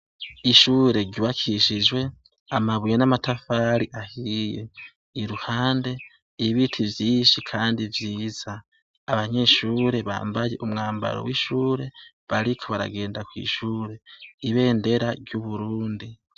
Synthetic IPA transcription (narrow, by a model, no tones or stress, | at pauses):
iʃuːɾe̞ɾɟuβakʰiʃid͡ʒwe̞ | amaβujenamatafaɾiʔahije | iɾuhaːnde̞ | iβitʰivjiːʃikʰaːndivjiːz̥aː | βaɲe̞ʃuːɾe̞βa̰ːmbaje̞̰ʔumŋaːmba̰ɾo̰wiʃuːɾe̞ | βaɾikʰo̞βaɾa̰ɡe̞ːndakwḭːʃuːɾe̞iβe̞ːnde̞ɾaɾjuβuɾuːndi